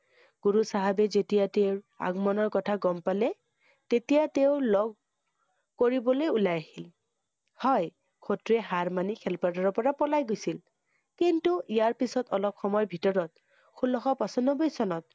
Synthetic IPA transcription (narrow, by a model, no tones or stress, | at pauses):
ɡ̥uɹusaɦabɛzetijateʊɹ | a̰ɡmɔnɔɹkɔtʰaɡɔmpalɛ | tetijateʊlɔɡ̚ | koɹibɔlojulajahil | hɔj | kʰotɹɛɦaɹmanikʰɛlpadɔɹɔpɔɹapɔlajɡojsil | kintuijaɹpisɔtɔlɔp̚xɔmɔjbʱitɔɹɔt | xʰulɔxɔpasɔnɔbojsɔnɔt̚